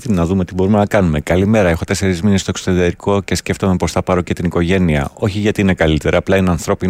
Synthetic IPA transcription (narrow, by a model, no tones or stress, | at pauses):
inɐðume̞t̪ibo̞ɾume̞nɐkɐnume̞kɐlime̞ɾɐe̞xo̞t̪e̞se̞ɾizminest̪o̞eksot̪eðiɐɾiko̞ce̞sce̞ft̪o̞me̞po̞sθɐpɐɾo̞ce̞t̪iniko̞ʝe̞niɐ̰o̞çiʝɐt̪iinekɐlit̪e̞ɾʔɐːplɐineɐnθɾo̞pi